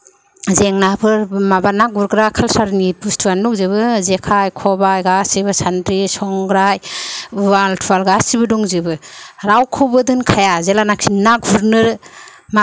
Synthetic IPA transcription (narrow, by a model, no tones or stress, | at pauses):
zeŋnapʰɯɾmabanaɡ̚uɾɡɾakʰalsaɾnibustʰwandɔk̚ziβɯzekʰajkʰɔbajɡasibɯsandɾisɔŋɡɾajwaltʰuwalɡasibɯduŋzibɯɾawkʰɯbɯdɯnkʰajazelanakʰinak̚buɾnɯɾma